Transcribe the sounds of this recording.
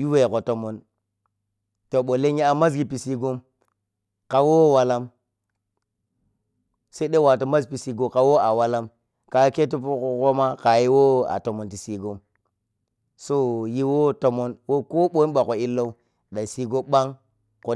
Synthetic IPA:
ju˦we˨ko˨to˨mo˨n | to˨ɓo˨le˦ŋ˦i˦a˨ma˦s̬ɡi˨pi˨si˨ɡo˦m | ka˨wo˦˨wa˨la˦m | se˦i˦ɗe˦wa˨to˨ma˦spi˨si˨ɡo˨ka˨wo˦a˨wa˦la˦m | ka˨˦ke˦t̬u˦po˦ko˦ko˦ma˦ka˨ji˦wo˦a̰˨to˨mo˨nti˨si˨ɡo˦m | so˦ji˦wo˦to˨mo˦nwo˦ko˦ɓo˦n˦ɓa˨ko˨i˦lːo˦ | ɗa˨si˨ɡo˦ɓa˦ŋ | ko˨

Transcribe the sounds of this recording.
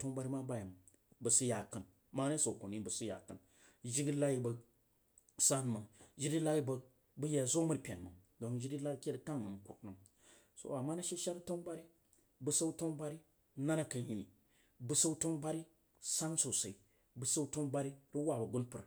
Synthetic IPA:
to˦ŋba˦ɾi˦ma˦ba˦ja˨m˨ | bə˨si˦ja˨kə˨n | ma˦na˦so˨ko˨ni˦bə˨si˦ja̰˨kə˨n | ʒi˦ɡi˦la˦ji˦bə˨ | sa˦n˨ma˨ŋʒi˦di˦la˦i˦bə˨ | bɨ˦ja˨zo˦mə˦ɾpʲḛ˨nmə̰˨ŋdo˨ŋʒi˦di˦la˦ɾkʲe˦ɾə˨ta˦ŋːə˨m˨kʷṵ˨tnə˨m | so̰˨a˨mːa˦na˦ʃe˦ʃa˦ɾto˦ŋba˦ɾi˦ | bɨ˨sa˦to˦ŋba˦ɾi˦ | na˦na˨kə˨n˦ji˨ni˨ | bɨ˨sə˦u˦to˦ŋba˦ɾi˦ | sa˦nso˨sa˨i˨ | bə˨sə˦u˦to˦ŋba˦ɾi˦ɾi˦wa˨bə˨ɡu˦npɨ˨ɾa˨

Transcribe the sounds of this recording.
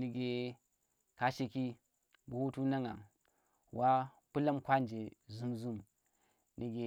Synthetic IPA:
ni˨ɡe˨ | ka˦ʃe˨ki˦ | bu˨wu˦tu˦na˦ŋa̰˨ŋ | wa˦ | pu˦la˦mkʷa˦nd͡ʒe˨zu˦mzu˦m | ni˨ɡe˨

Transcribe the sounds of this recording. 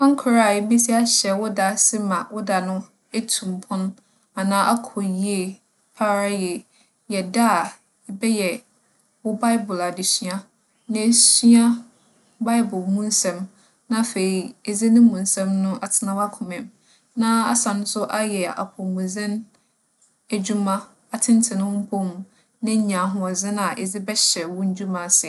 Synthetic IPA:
ã˦ŋ̩˦kʰʊ˨ɾa˨e˨bi˦s̬i˦a˦ɕɛ˨wʊ˦da˨sɪ˦mã˨wʊ˦da˨nʊ̃˦ | e˦tʰũ˨m˨pʰʊ̃˦n˦ | a˨nãː˦ʔa˦kʰɔ˨ji˦e˨ | pʰa˦ɾa˦jɛ˨ | jɛ˨da˦a˨ | ɛ˨bɛ˦jɛ˨ | wʊ˦ba˦ɪ˦bʊ˨la˨dɪ˨sɥã˦ | nã˨˦si˦a˦ | ba˦ɪ˦bʊ˨lmũ˦n˦sɛ̃˨m | nã˦fe˨ɾi˨e˨d͡zɪ˦nɪ̃˦mũ˨n˦sɛ̃˦mnʊ̃˦ʔa˨tʰɪ˨˦nã˦wa˦kʰʊ̃˨mɛ̃˨m | nã˦a̰˦sã˨nʊ̃˦sʊ˦ʔa˦jɛ˨a̰˨pʰɔ˨mũ˨zɪ̃˦n | æ˨d͡ʑu˦mã˦ | a˨tʰɪ̃˦n˦tʰɪ˨nʊ̃˦m̩˦pʰo˦m˨ | nɪ̃˦ɲã˨ɦʊ̃˨ɔ˨zɪ̃˦nã˨ʔɛ˨d͡zɪ˦bɛ˦ɕɛ˨wʊ̃˦ɲ̩˦d͡ʑᶣu˦mã˨sɪ˨

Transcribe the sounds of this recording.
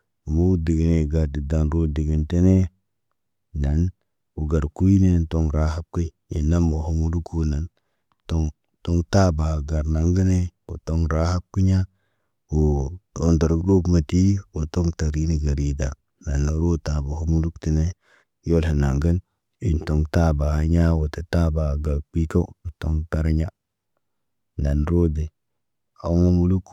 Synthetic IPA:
mo˦di˨ɡi˨ne˨ɡa˨ɾdi˨da˨nɾo˦di˨ɡi˦nte˦ne˦ | na˨˦n | u˨ɡa˨ɾku˦i˦ne˦˨to˦ŋɾa˦ha˦b̚ki˦ | ḭ˨nːa˦mbo˨ɦo˦mu˦lu˦ku˦na˨n | to˦ŋ | to˦ŋta˦ba˨ɡa˨ɾna˨ŋɡə˦ne˦o˨to˦ŋɾa˦ha˦b̚ki˦ɲa˦ | o˨to˦nda˨ɾɡɾo˦bma˨ti˦wo˨to˦ŋta˨ɾi˦ni˨ɡa˨ɾi˨da˨ | na˨na˨ɾo˦ta˨ba˨ho˦mu˦lu˦kti˨ne˦ | jo˦lhe˨na˨ŋɡə˦n | i˨nto˨ŋta˦ba˨ha˦ɲa˦wo˨ta˨ta˦ba˨ɡa˨k͡pi˦ka˦o˨to˦ŋta˦ɾɲa˦ | na˨nɾo˦de˨ | a̰˨˦ŋo˦mu˦lu˦k

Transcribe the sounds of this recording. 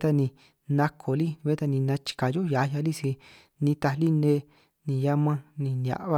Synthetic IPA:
t̪a˧nĩ˧ | nã˧kʰo˨li˦˧e˦t̪a˧nĩ˧nã˧t͡ʃi̥˧ka˨jo˦ja˨˧ja˧li˦si˧ | nĩ˧t̪a˧li˦nẽ˦ | nĩ˧˨ja˦mã˦nĩ˧n˧a̰˧˨ʔβa˧

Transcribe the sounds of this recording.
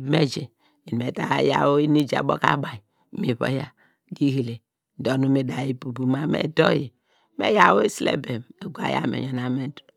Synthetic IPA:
me˦d͡ʒe˨ | i˨me˨ta˦ja̰˨wo˦i˦ni˦d͡ʒa̰˨bo̰˦ka̰˦ba˨ji˨ | mi˨βo̰˦ja˨ | ɡi˦hi˨le˨ | do˨nu˦me˨da˨ji˦bu˨bu˨ma˦mḛ˨do˦je˨ | mḛ˦ja˨wo˦i˦slḛ˦be˨me˨ɡʷa̰˨ja̰˦mḛ˨ɲo˨na˨me˦du̥˨

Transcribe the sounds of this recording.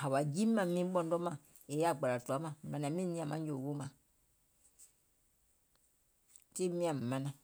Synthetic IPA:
ha˨βa˨d͡ʒi˦ma˨mi˦bo˦n˦do˦ma˨ | e˨ja˦˨ɡ͡ba˨ɾa˨tu˨a˨˦ma˦˨ma˨na˨mi˦ni˦a˨ma˨˦d͡ʒo˨wo˦ma˨ | ti˦mi˦a˨m̩˨ma˨na˨

